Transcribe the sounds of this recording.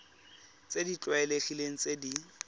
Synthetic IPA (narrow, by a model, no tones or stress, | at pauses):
t͡sedit͡ɬʼwaɛleχileŋ̩t͡sedi